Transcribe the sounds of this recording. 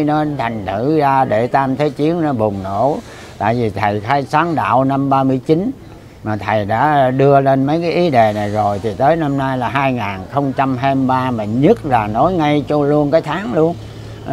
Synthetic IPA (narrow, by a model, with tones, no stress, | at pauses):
nɔ˨˦t̪ʰa˨˩jŋ̟t̪ʰɨ˧˩zaː˧ɗe˧˩t̪aː˧mt̪ʰe˨˦jt͡ɕi˨˦ənnɔ˨˦ɓʊ˨˩ŋ͡mno̰˧˥ | t̪a̰ː˧˨jvi˨˩t̪ʰə˨˩jxaː˧jsaː˨˦ŋɗa̰ː˧˨wna˧mɓaː˧mɨ˧əjt͡ɕi˨˦n | maː˨˩t̪ʰə˨˩jɗa̰ː˧˥ɗɨ˧əle˧nmə˨˦jkaː˨˦jʔi˨˦ɗe˨˩na˨˩jzo˨˩jt̪ʰi˨˩t̪əː˨˦jna˧mnaː˧jlaː˨˩ɦaː˧jŋaː˨˩nxə˧wŋ͡mt͡ɕa˧mɦaː˧ɓaː˧maː˨˩ɲə˦˥t̚laː˨˩no˨˦jŋa˧jt͡ɕɔ˧lu˧ənkaː˨˦jt̪ʰaː˨˦ŋlu˧ən